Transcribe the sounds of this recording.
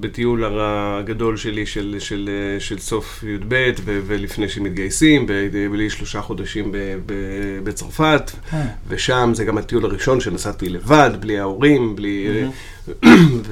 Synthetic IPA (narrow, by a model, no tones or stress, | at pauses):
betiulaʁaɡado̞lʃe̞liʃelʃelʃelso̞f | jud̪be̞tvevelifnejʃemit̪ɡajsimbebliʃlo̞ʃaχo̞d̪aʃimbebebet͡saʁfat | veʃamzeɡamhat̪ijulaʁiʃo̞nʃe̞nasatile̞vadbliaoʁimbli | v